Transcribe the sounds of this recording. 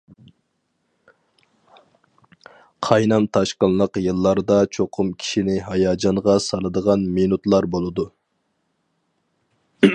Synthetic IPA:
qʰɑjnɑmt̪ʰɑʃqənˠlˠəqjɨlˠːɑɾd̪ɑt͡ʃʰoqʰʊmkʲʰi̥ʃinɪɦɑjɑːd͡ʒɑɴʁɑsɑlˠɨd̪əʁɑnminut̪lˠɑɾbolˠɨd̪u

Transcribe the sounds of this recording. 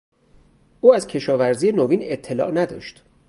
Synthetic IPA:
ʔuːæzcʰe̞ʃɒːvæɾziːjenoviːne̞t̪ʰːe̞lɒ̰ːʔnæd̪ɒ̰ːʃt̪

